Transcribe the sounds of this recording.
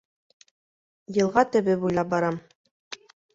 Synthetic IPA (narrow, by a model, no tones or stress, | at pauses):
jɤ̆lˠʁɑt̪ɘ̆βɘbujlˠɑp̚bɑɾɑm